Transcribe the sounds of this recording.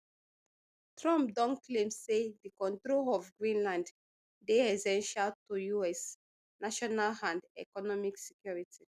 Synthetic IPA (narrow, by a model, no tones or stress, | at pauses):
tʰɹɔ̃mp̚dɔ̃nkʰlẽmssedikɔ̃ntɹolɔvɡɹĩnlãnd | deɛsɛ̃nʃaltujuɛs | naʃɔnalãndɛ̰kɔnɔmiksɛkjɔɹitʰi